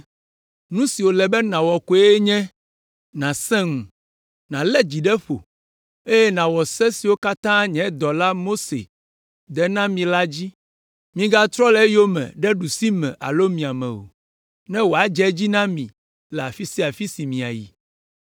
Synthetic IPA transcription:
nũ˦si˨wo˨lɛ˨bɛ˦nã˨wɔ˨ku˦ɛ˦ɲɛ̃˦ | nã˨sɛ̃˦ŋũ˨ | nã˨lɛ˦d͡ʑi˨ɖɛ˦ɸo̰˨ | e˦jɛ˦nã˨wɔ˨sɛ̃˦si˨wo˦ka˦t̪ã˦ɲɛ̃˨˦d̪ɔ˨la˦mo˦sḛ˨ | d̪ɛ˦nã˦mĩ˨la˦d͡ʑi˦ | mĩ˨ɡa˦t̪ɾɔ˦lɛ˦jo˦mɛ̰̃˨ɖɛ˦ɖu˨si˦mɛ̰̃˨ʔa̰˨lo˦mĩ˨a˨mɛ̰̃˨o̰˨ | nɛ̃˦wo˨a˨d͡ʒɛ˦d͡ʑi˦nã˦mĩ˨ | lɛ˨a˨fi˦si˦a˨fi˦si˨mĩ˨a̰˨jḭ˨

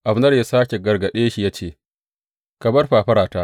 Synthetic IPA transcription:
ʔa˨ɸnɐ˦rja˦saː˦kʲe˨ɡɐ˨rɡɐ˨ɗeː˦ʃi˨jaː˦t͡ʃeː˦˨ | kɐ˨bɐ˦rɸaː˨ɸɐ˦ɾaː˨taː˦ʔ

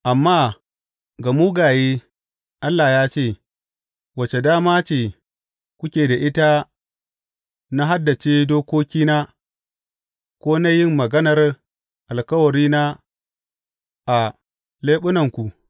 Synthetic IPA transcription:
ʔa˨mːaː˦ | ɡa˨mu˦ɡaː˨jeː˦ | ʔa˦lːa˨ja˦t͡ʃeː˦˨ | wɐ˨t͡ʃe˨daː˦maː˦t͡ʃeː˦˨ | kʷʊ˦kʲeː˨da˨ʔɪ˦ta˦ | na˦ɦa˦dːa˨t͡ʃeː˦doː˦kʷoː˦kʲiː˦na˦ | kʷoː˦na˦jɪ˦mːɐ˨ɡɐ˦nɐ˨r | ʔa˨lkɐ˦wɐ˨ɾiː˦na˦ | ʔa˨ | leː˦ɓʊ˦nɐ˨ŋkʷu˨

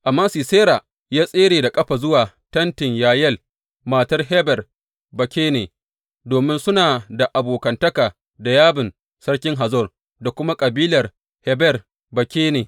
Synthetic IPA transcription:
ʔa˨mːaː˦siː˨seː˦ɾaː˨ | jaː˦sʼeː˦ɽeː˨da˨kʼɐ˦ɸa˨zʊ˦waː˨ | tɐ˦ntɪ˨ɲjaː˨jɛ˦˨l | maː˨tɐ˦rɦɛ˦bɛ˨r | bɐ˨kʲeː˦neː˨ | doː˨mɪ˦nsʊ˦naː˨da˨ʔa˨boː˨kɐ˨ntɐ˦kaː˨ | da˨jaː˦bɪ˨n | sɐ˦rkʲɪ˦ŋɦa˨zɔ˦˨r | da˨kʷʊ˦ma˦kʼɐ˨biː˦lɐ˨r | hɛ˦bɛ˨r | bɐ˨kʲeː˦neː˨

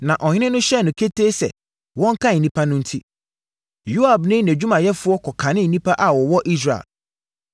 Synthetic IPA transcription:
nã˨ʔɔ˨ɲ˦ɪ̃˦nʊ̃˦ɕɛ˦nʊ̃˨kʰe˦tʰeː˦sɛ̰˨ | wɔ̃˦ŋ˦kʰã˦n̩ː˨ĩ˦pʰa˦nʊ̃˦n̩˦tʰi˦ | jo˦a˨bnɪ̃˦n˨æ˨d͡ʑᶣu˦mã˨jɛ˦fʊ˦ɔ˦kʰɔ˨kʰã˨nɪ̃˦n̩˨nĩ˦pʰa˦ʔa˨wɔ˨wɔ˦ʔi˦s̬ɾa˨ḛ˨l

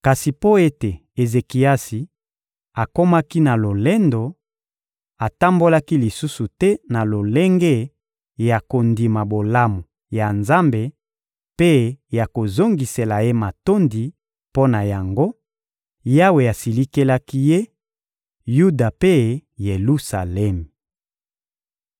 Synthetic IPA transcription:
ka˨si˨po˦e˦te˨e˨ze˨ki˨a˦si˨ | a˨ko˦ma˦ki˦na˨lo˨le˦ndo˨ | a˨ta˦mbo˦la˦ki˦li˨su˦su˨tɛ˦na˨lo˨le˦ŋɡe˦ | ja˨ko˨ndi˨ma˨bo˨la˦mu˨ | ja˨nza˦mbe˨ | pe˦ja˨ko˨zo˦ŋɡi˨se˨la˨je˦ma˨to˦ndi˨ | po˦na˨ja˨ŋɡo˦ | ja˦we˨a˨si˨li˦ke˦la˦ki˦je˦ | ju˦da˨pe˦je˨lu˦sa˨lɛ˦m˨

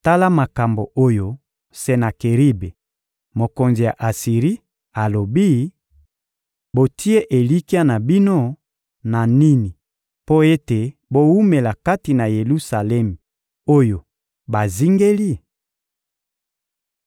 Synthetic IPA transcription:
ta˦la˦ma˨ka˨mbo˨ʔo˦jo˨ | se˦na˨ke˨ʁi˦be˨ | mo˨ko˨nzi˨ja˨ʔa˨si˨ʁi˦ | a˨lo˨bi˦ | bo˨tʰi˦e˦ʔe˨li˦ki˦a˦na˨bi˦no˦ | na˨ni˦ni˨ | po˦e˦te˨bo˦wu˦me˨la˨ka˦ti˨na˨je˨lu˦sa˨lɛ˦mi˨ | o˦jo˨ | ba˨zi˦ŋɡe˦li˦˨

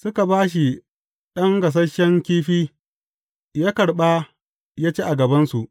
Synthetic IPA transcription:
sʊ˦ka˨baː˦ʃ̬i˨ | ɗɐ˦ŋɡɐ˨s̬ɐ˦ʃɛ˦ŋkʲiː˦ɸiː˦ | jaː˦kɐ˨ɽɓa˦ | jaː˦t͡ʃeː˦ʔa˨ɡɐ˨bɐ˦nsu˨ʔ

